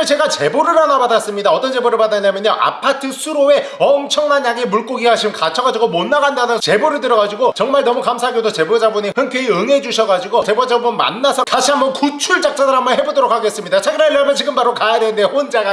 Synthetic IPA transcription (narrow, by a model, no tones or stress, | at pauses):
ʌt͡ɕe̞ɡat͡ɕe̞boɾɯɭpanabadas͈ɯmɲidaʌt͈ʌnd͡ʑe̞boɾɯɭpadaɲamjʌɲʌʔa̰pʰatʰɯsʰuɾoe̞ʌmt͡ɕʰʌŋnaɲjaɡemuɭk͈oɡiɦaɕʰimkat͡ɕʰʌɡad͡ʑiɡomonːaɡandanɯt͡ɕe̞boɾɯɭtɯɾʌɡad͡ʑiɡot͡ɕʌŋmaɭnʌmukamsʰaɡjodot͡ɕe̞bod͡ʑabunihɯŋkʰjeiɯŋe̞d͡ʑuɕʰʌɡad͡ʑiɡot͡ɕe̞bod͡ʑabonma̰nːasʰʌtaɕʰiambʌnkut͡ɕʰuɭt͡ɕ͈ak̚t͡ɕ͈adɯɦambʌnɦe̞bodoɾokʰaɡe̞s͈ɯmɲidat͡ɕʰaɡiɾaiɭːamʌnt͡ɕiɡɯmpʰaɾokajadwe̞ndeond͡ʑaɡa